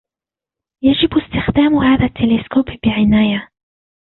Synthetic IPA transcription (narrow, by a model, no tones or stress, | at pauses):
jad͡ʒɪbɪst̪ɪxd̪aːmhaːðat̪ʰːɪlɪskoːbbɪʕɪnaːja